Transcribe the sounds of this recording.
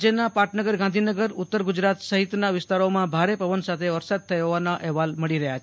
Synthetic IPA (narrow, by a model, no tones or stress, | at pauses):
d͡ʒenapaʈʰnəɡəɾɡãnd̪ʱinəɡəɾʊt̪ːəɾɡud͡ʒɾat̪səɦit̪naʋɪst̪aɾomãbʱaɾepəʋənsat̪ʰeʋəɾsad̪̚t̪ʰəjɦoʋanaʔɛɦʋalməɭiɾəɦjat͡ʃʰ